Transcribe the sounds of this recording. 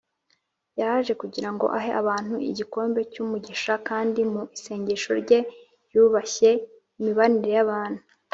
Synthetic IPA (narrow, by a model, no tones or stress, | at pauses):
jahaʒe̞kuɟiɾaŋɡo̞̰ʔaɦeʔaβaːn̥huḭɟiko̞ːmbe̞cumuɟiʃakaːndimuʔise̞ːɲɟe̞ʃo̞ɾɟe̞ | juːβaçe̞ | imiβaniɾe̞jaβaːn̥hu